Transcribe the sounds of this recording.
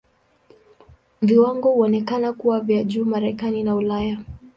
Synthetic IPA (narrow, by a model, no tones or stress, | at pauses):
viwaŋɡɔhuɔnɛkanakuwavjaʄuːmaɾɛkaninaulaja